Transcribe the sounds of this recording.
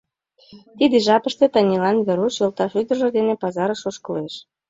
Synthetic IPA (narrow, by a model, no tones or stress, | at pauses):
t̪id̪ĕʒɑpə̆ʃt̪et̪ɑnʲilɑnβeɾuʃjolˠt̪ɑʃyd̪ərʒŏd̪enĕpɑzɑɾəʃoʃkɤ̆leʃ